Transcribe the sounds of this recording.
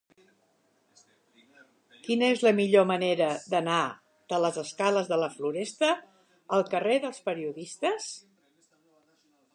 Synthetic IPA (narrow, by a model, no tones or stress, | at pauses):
kinəezləmiʎoməneɾəd̪əna | d̪̥ələzəskaləzðələfluɾɛst̪ə | əlˠkəreðəlˠspəɾiuðist̪əs